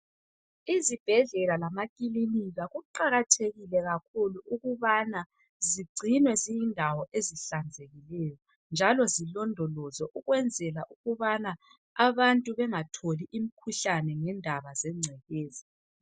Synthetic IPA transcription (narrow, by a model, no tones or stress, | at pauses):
izib̥ʱɛɮɛlalamakʼiliniɣaɣuǃaɣatʰeɣilɛɣakʰuluʔuɣuβana | ziɡ͡ǀʱinwɛzijindʱawɔʔeziɬand͡zʱeɣilɛjɔ | nd͡ʒʱalɔzilɔndʱɔlɔzɔʔuɣwɛnd͡zʱɛlaʔuɣuβana | aβantʼuβɛŋatʰoliʔim̩kʰuɬanɛŋɛndʱaβazɛŋ͡ǀʱɛɣɛːzi